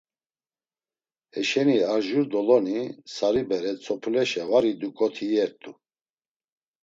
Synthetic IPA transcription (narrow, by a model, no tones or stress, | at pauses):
ɛʃɛniaɾʒuɾd̪ɔlɔnisaɾibɛɾɛt͡sʰʼɔpʰlɛʃɛvaɾid̪ukʼɔt̪ʰijɛɾt̪ʼu